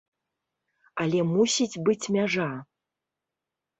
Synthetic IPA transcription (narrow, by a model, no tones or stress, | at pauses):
ɐlʲɛmusʲid͡zʲbɨt͡sʲmʲaʐa